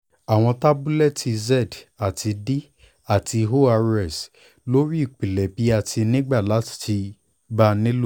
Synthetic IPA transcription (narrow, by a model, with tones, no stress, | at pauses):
a˨w̃ɔ̃˧ta˦bu˦lɛ˦˨tʰi˧zɛ˦˨da˨tʰi˧di˦ | a˦˨ti˧ɦo˦a˧ɾɛ˦˨s | lo˦ɾi˦i˦˨k͡pi˨lɛ˨bi˨˦a˦˨tʰi˧nĩ˦ɡ͡ba˦˨la˨˦ti̥˨ti˧ | ba˦nĩ˦lo˦˨